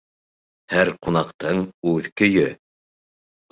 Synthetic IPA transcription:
hæɾqunɑqt̪ɤɴʉðkɵ̆jɵ

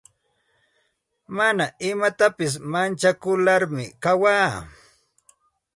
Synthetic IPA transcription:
manaʔɪmat̪apɪs̬mant͡ʃakʊlaɾmɪkawaː

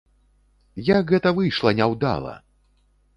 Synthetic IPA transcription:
jakɣɛt̪ɐvɨjʂlˠɐnʲawd̪a̰lˠɐ̰

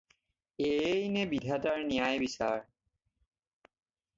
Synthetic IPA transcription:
ejnebidʱataɹnijajbisa̰ɹ

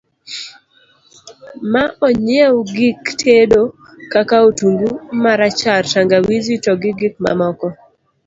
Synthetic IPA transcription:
maʔɔɲɛwɡiktʰedo | kakaotuŋɡumaɾat͡ʃaɾtaŋɡawizitɔɡɪɡɪk̚ma̰mɔkɔ

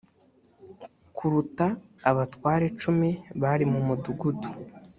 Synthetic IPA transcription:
kʰuɾutaːβatwaːɾe̞t͡ʃumiβaɾimumuduɡudu

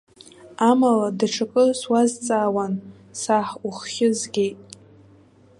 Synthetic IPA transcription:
amaladaʈ͡ʂʰakʼɨswazt͡sʼaːwan | saħuχːʲɪzɡʲejtʼ

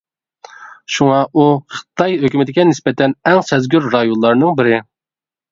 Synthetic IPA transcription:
ʃuŋɑʔuχɨ̥t̪ʰɑjɦøkʲymɪt̪ʰɪkʲɛnɪspɛt̪ʰɛnɛŋsɛzɡʲyɾɾɑjonlˠɑɾnɨŋbɪɾɪ

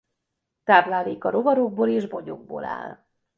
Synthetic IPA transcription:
t̪aːblaːliːkɒɾo̞vɒɾoɡ̚boːleːʒbo̞ɟo̰ɡ̚bo̰ːla̰ːl

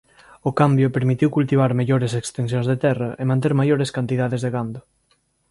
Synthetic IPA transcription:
ʊkambjʊpeɾmit̪iwkult̪iβ̞aɾmeʎoɾesekst̪ens̬jõnzðet̪ɛrɐʔemãnt̪̬eɾmajoɾeskant̪iðaðezðeɣand̪ʊ

